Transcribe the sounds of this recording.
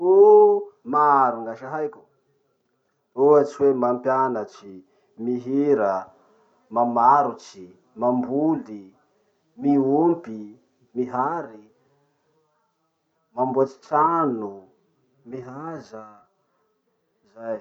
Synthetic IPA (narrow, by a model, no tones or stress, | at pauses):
u | maɾuŋaʃaɦajkʲu̥ | oat͡ʃiwemampjanat͡ʃi | miɦiɾə | mamaɾut͡ʃi | mambuli | miumpi | miɦaɾi | mambuat͡ʃi̥t͡ʃanu | miɦazə | zaj